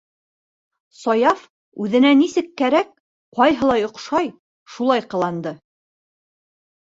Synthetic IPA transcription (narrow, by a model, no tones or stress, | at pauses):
sɒjɑf | ʉðɘ̆nænisɘkːæɾæk̚ | qɑjɦɤ̆lˠɑjŏqʃɑj | ʃulˠɑjqɤ̆lˠɑnd̪ɤ